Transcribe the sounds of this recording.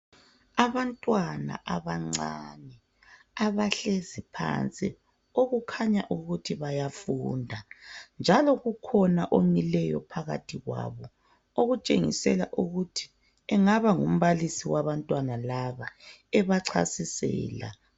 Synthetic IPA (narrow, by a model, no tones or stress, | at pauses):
aβantʼwana̰ʔaβaŋ͡ǀanɛ | aβaɬezipʰa̰nt͡sʼi | oɣukʰaɲaʔuɣutʰiβajafuːndʱand͡ʒʱalɔɣukʰɔnaʔomilɛjɔ̰pʰaɣa̰tʰiɣwa̰βɔ | oɣut͡ʃʼeŋḭsɛla̰ʔuɣutʰi̥ | ɛŋaβaŋum̩βalisiwaβantʼwanalaβaɛβaǀʰa̰sisɛ̰ːla̰